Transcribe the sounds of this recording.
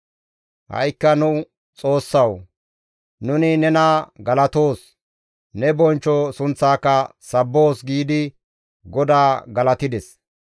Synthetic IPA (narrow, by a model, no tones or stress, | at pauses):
hɐ̰jkːɐnʊ | t͡sʼo̞ːsːɐw | nʊnɪnɛnaːɡɐlɐt̪oːs | nɛbɔnt͡ʃːɔsʊnt͡sːaːkːɐsɐbːoːsɡiːd̪ɪ | ɡɔd̪aːɡɐlɐt̪ɪd̪ɛs